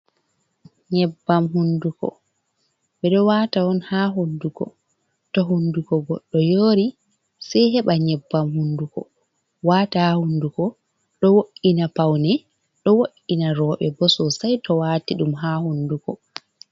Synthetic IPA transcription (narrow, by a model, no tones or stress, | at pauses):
ɲɛbːamɦundukɔ̰ | ɓɛɗɔwaːtawɔnhaːɦundukɔ̰ | tɔɦundukɔɡɔɗːɔjoːɾi | sɛjɦɛɓaɲɛbːamhundukɔ̰ | waːtahahundukɔ | ɗɔwoʔinapawnɛ | ɗɔwoʔinaɾɔːɓɛbɔsɔsajtɔwaːtiɗumɦaːhundukɔ